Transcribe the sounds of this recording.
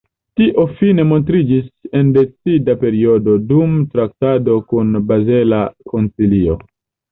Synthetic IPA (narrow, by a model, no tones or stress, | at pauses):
tiʔo̞fine̞mo̞nt̬ɾid͡ʒise̞nde̞t͡sidape̞ɾio̞do̞dumtɾak̚tado̞kunbaze̞lako̞nt͡silio̞